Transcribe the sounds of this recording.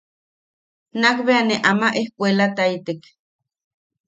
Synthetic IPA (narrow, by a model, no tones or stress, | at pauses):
nakβeaneʔamaʔehkʷelat̪ait̪ek